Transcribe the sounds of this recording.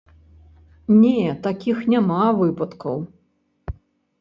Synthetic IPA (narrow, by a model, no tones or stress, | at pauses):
nʲɛt̪akʲixnʲamavɨpɐt̪kɐ̰w